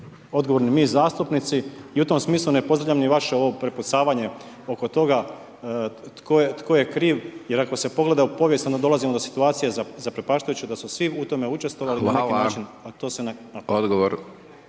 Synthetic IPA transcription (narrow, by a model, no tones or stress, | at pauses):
o̞d̪ɡoʋoɾnimiːzaːst̪upnit̪siiut̪o̞msmiːslˠunepozd̪ɾavʎʲamniʋaʃeo̞ʋo̞pɾeput̪saːʋaɲe̞ | o̞ko̞t̪o̞ɡa | t̪koet̪ko̞je̞kɾiːʋjeɾako̞se̞poɡle̞d̪aupo̞ʋjest̪ond̪ad̪o̞lazimod̪osi̥t̪uaːt̪sijezazapɾepaʃt̪ajut͡ɕed̪asusʋiut̪o̞me̞ut͡ʃe̞st̪ʋo̞ʋalinaninaːt͡ʃinat̪o̞ːsenanaod̪ɡoʋoɾ